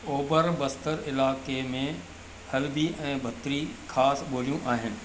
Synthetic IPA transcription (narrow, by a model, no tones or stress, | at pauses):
oːbəɾbɐst̪əɾɪlaːkemẽ | hɐlbiɛ̃ːbʱɐt̪ɾixʰaːsɓoːlijũʔaːɦɪnɪ̆